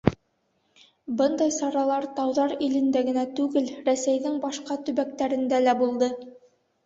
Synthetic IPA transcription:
bɤnd̪ɑjsɑɾɑlˠɑɾt̪ɑwðɑɾilɘ̆nd̪æɡɘ̆næt̪ʉɡɘlɾæsæjðɘŋbɑʃqɑt̪ɵ̆βæk̚t̪æɾɘ̆nd̪ælæbulˠd̪ɤ

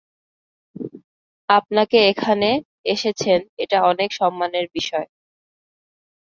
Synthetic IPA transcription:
ap̚nakeekʰane | eʃet͡ɕʰeneʈaɔnekʃɔmːaneɾbiʃɔe

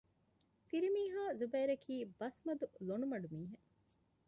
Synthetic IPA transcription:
fiɾimiːɦaːzubeːɾɐkʰiːbɐsmɐd̪ulonumɐɖumiːɦe

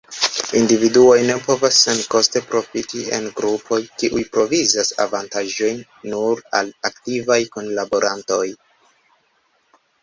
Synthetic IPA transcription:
individuo̞jne̞po̞vasːe̞nko̞ste̞pɾo̞fitie̞̰nɡɾupʰo̞jkiʔujpɾo̞vizasa̰vantaʒo̞jnː | uɾa̰laktivajkonlabo̞ɾanto̞j

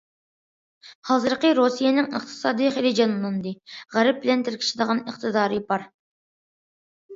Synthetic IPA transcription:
hɑːzɨɾqəɾosijenɪŋə̰χt̪ʰɨ̥sɑːd̪ijχelɪd͡ʒɑnlˠɑnd̪ɨʁæɾɛp̚bɪlɛnt̪ʰɪɾkʲʰi̥ʃid̪əʁɑnəqt̪ʰɨd̪ɑːɾɨbɑɾ

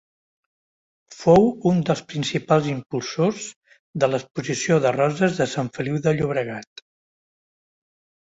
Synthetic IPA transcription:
fowund̪əlˠspɾinsipalˠzimpulˠsoz | ðələspuzisioðərɔzəzðəsaɱfəliwðəʎuβ̞ɾəɣat̪

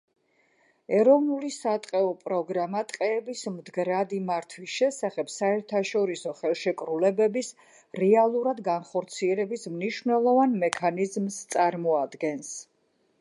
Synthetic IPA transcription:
ɛɾɔvnulisat̪ʼqʼɛɔpʼɾɔɡɾamat̪ʼqʼɛːbismd̪ɡɾad̪imaɾt̪ʰwisʃɛsaχɛpsaɛɾt̪ʰaʃɔɾisɔχɛlˠʃɛkʼɾulɛbɛbis | ɾɛalˠuɾad̪ɡanχɔɾt̪sʰiɛlɛbismniʃvnɛlˠɔvanmɛkʰanizmst̪sʼaɾmɔad̪ɡɛns

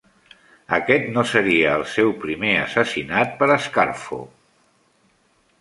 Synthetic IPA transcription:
əkɛt̪nosəɾiəːlˠsɛwpɾimeə̰səsinat̪̚pəɾəskaɾfo̰

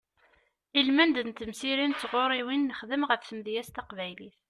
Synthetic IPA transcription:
ilmænd̪nt̪ːəmsiɾint͡sːʁoɾˤiwinːəχðəmʁəfθəmðjæst̪ɑqvæjliθ

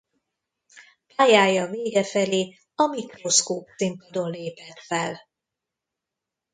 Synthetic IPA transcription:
paːjaːjɒveːɡɛfɛleː | ɒmikro̞skoːp̚t̪simpɒd̪o̞nleːpɛlfɛl

